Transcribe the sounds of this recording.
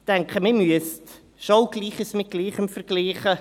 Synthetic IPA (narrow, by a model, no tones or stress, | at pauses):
tɛŋkχəmɪmyəst | ʃoʊɡ̥liːχəsmɪt̚ɡ̥liːχəmfəɾɡ̥liːχə